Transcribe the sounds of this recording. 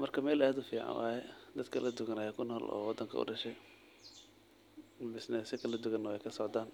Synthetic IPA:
mɐrkʰɐmɛːlaːd̪ʊfiːʕɑ̰nwa̰ːjɛd̪ɐd̪kʰɐlɐd̪ʊɣɐnajakʰʊnɔːlʔɔ̰ːwɑd̪ːɐŋkʰɐ̰ʊ̰ɖɐʃɛj | bɪsnɛsɪkʰɐlɐd̪ʊɣɐnːɔɛjkʰɐsɔʕd̪aːn

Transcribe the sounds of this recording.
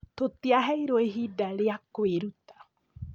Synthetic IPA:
t̪ot̪iaɦɛjɾoeɦidaɾeakoeɾut̪ḁ

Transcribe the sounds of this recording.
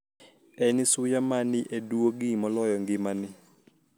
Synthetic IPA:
ɛnɪsujamanɪʔeduoɡɪmɔlɔjɔŋɡɪmanɪ

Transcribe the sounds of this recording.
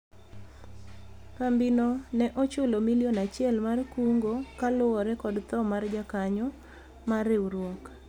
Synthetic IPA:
kambinonɛʔɔt͡ʃʊlomiliɔnat͡ʃɪɛlmarkuŋɡokalʊɔɾɛkɔdt̪ɔmard͡ʒakaɲɔ | maɾɪuɾwɔk

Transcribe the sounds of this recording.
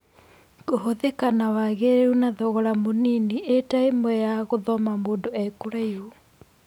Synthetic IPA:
koɦoðekanawaɣeɾeunaðɔɣɔɾamoninietaemwɛjaɣoðɔmamoːndoɛkoɾaio

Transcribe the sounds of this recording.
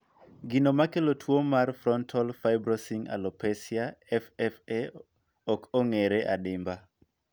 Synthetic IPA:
ɡinomakelotʰwomarfɾɔntʰɔlfajbɾɔsiŋa̰lɔpɛsijaɛfɛfe | ɔkʰoŋeɾɛʔadɪmba

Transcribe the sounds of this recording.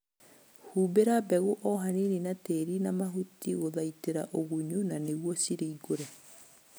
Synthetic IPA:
huːbeɾabɛɣoʔɔɦanininateɾinamaɦutiɣoðaiteɾaʔoɣuɲunaneɣwɔsiɾeiɡoɾɛ

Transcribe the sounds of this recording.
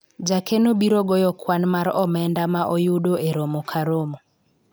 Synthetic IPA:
d͡ʒakʰɛnoɓiɾɔɡɔjɔkʰwanmaɾɔmɛndamaʔɔjudoɛɾɔmɔkʰaɾomɔ

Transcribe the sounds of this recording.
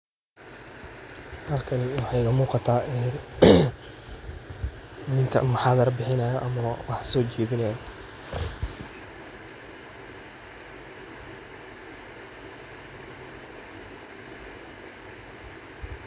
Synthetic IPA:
hɐrkʰɐnɪwɑħɑjkɐmuːqɑt̪ʰaːʔɛː | nɪŋkʰɐ̰mɐħɑːðɐrbɪħɪnɐjɐʔɐmɐwɑħsɔːt͡ʃɛːðɪnɐjɐ

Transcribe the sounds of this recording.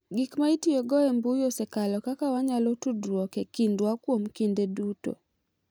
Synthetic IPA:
ɡikmaitiɔɡɔɛmbujosɛkalɔkakawaɲalotudwɔkɛkindwakwomkindeduto̰

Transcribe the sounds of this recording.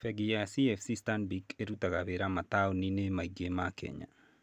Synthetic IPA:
fɛɡijasiɛfsistanbikeɾutaɣaβeɾamataoninemaiɡemakʰɛ̰ɲa̰

